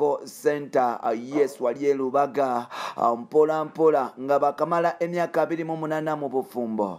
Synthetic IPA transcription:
osentaa̰jesuwaljeluβaɡaa̰mpolampolaŋɡaβakamalaʔemjaːkaβiɾimumunaːnamuβufuːmbo̰

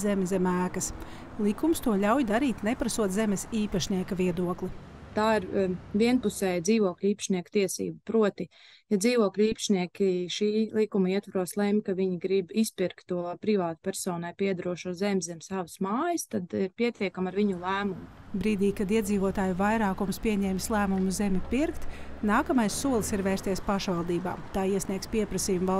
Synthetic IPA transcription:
zɛmzɛmæːkɐs | lˠikumst̪uɔʎʲawjd̪aɾiːt̪nepɾasuɔt̪zemɛsiːpaʃniɛkɐviɛd̪uɔklˠit̪aːiɾviɛnpusɛjd̪ziːʋuɔklʲiːpʃniɛkt̪iɛsḭːbupɾuɔt̪i | jad̪ziːʋuɔklʲiːpɐ̥ʃniɛkʲiʃiːlˠikumiɛt̪vaɾuɔslˠɛmʲkaʋiɲiɡɾibispiɾk̚t̪ːuɔajpɾivaːt̪pʲɛɾsɔːnajpiɛd̪ɾuɔʃozɛmʲzɛmʲsaʋəsmaːjəst̪ad̪iɾpiɛt̪ʲiɛkamaɾviɲulˠæːmumubɾiːd̪iːkad̪iɛd̪ziːvuɔt̪aːjuvajɾaːkumspiɛɲɛːmʲslˠæːmumuzemʲipiɾkt̪naːkamajssuɔlˠsiɾvɛjst̪ʲiɛspaʃvalˠd̪iːba̰ːmt̪aːiɛsniɛk̚spiɛpɾɐsiːjumva

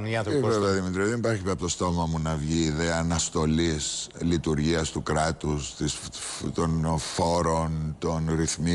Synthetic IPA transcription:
niɐtvɾeɐðimit̪ɾiðenipɐɾçipɐpot̪ost̪o̞mɐmunɐvʝiːðe̞ɐːnɐst̪o̞lislit̪uɾʝiɐst̪ukɾɐt̪ust̪ist̪o̞nfo̞ɾo̞nt̪o̞nɾiθmi

